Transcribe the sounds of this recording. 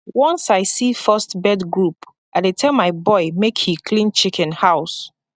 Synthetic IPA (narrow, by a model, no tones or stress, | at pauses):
wɔ̃nsaɪsifɜstbɛdɡɹup | ʔaɪdetʰɛlˠmaɪbɔɪmekhikʰlĩnt͡ʃikʰɛ̃nhaʊs